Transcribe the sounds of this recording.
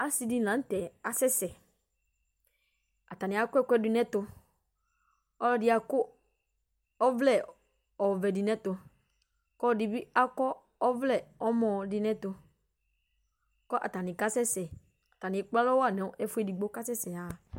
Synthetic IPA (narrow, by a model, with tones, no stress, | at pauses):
a˦si˨˦di˦nã˨˦n̩˦tɛ˨a˨sɛ˦sɛ˨ | a˨ta˨nɪ̃˨a˨kʊ˦ɛ˦kʷɛ˦di˦˨nɛ̃˦tʊ˧ | ɔ˦lɔ˦dɪ˦a˨kʊ˦ | ɔ˦vlɛ˦˨ | ɔ˨vɛ˨di˨nɛ̃˦tʊ˨ | kɔ˦˨di˨bi˦a˦kɔ˦ | ɔ˦vlɛ˦˨ɔ˦mɔ̃˨dɪ˨nɛ̃˦tʊ˧ | kɔ˦ʔa̰˨ta˨nɪ̃˨ka˦sɛ˦sɛ˨ | a˨ta˨nɪ̃˨k͡pa˦lɔ˦wa˦˨nɛ˨ʊ˦ʔɛ˦fʊ˦ɛ˨di˨ɡ͡bo˦ka˦sɛ˦sɛ˨a˨